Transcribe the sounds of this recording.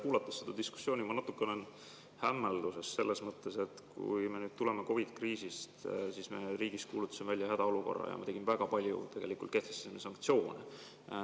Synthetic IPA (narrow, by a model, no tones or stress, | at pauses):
kuːlɑt̪ːˑɑsːed̪ɑd̪̥isku̥sjo̞ːnʲimɑnɑt̪ːukːˑenen | hæmːeld̪use̞sse̞lːesmɤt̪ːˑe̞se̞t̪kṵjmenyːd̪̥̚t̪ule̞meko̞vit̪kriːsist̪siːsme̞ɾiːɡ̥ist̪̚kuːlut̪ːˑɑ̥simvælʲjɑhæd̪̥ɑo̞luko̞̰rːɑ̰jɑ̰mɑ̰t̪e̞ɡ̥imvæɡ̥ɑpɑlʲjṵt̪e̞ɡ̥e̞likult̪̚ke̞ht̪est̪ːe̥seminsɑŋk̚t̪sio̞ːne